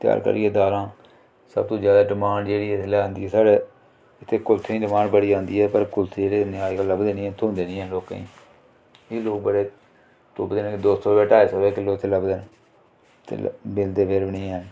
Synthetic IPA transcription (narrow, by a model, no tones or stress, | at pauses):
t̪ɪja̰ːɾkə̰ɾiːɛːd̪aːlãː | sə̰b̚t̪õːd͡ʒjaːd̪aːɖɪmaːɳɖd͡ʒeːɽiːt̪lɛːɦənd̪iːɦɛːsaːɽe | ɪt̪ʰːeːkʊlt̪ʰːĩːɖɪmaːɳɖbəɽiːãːnd̪iːɦɛːpəɾkʊlt̪ʰːd͡ʒeːɽeːnɪɦaːikaləbd̪eːnĩːɛ̃ːt̪ʰʊnd̪eːnĩːɛːloːkḭː | ɪloːk̚bəɽeː | t̪ʊ̰ːbd̪eːñːked̪oːst̪oːbɛːʈaːeːsoʋeːkɪloːt̪ʰeːləbd̪en | t̪ḛbɪld̪eːbeɾbəɳĩːɛːn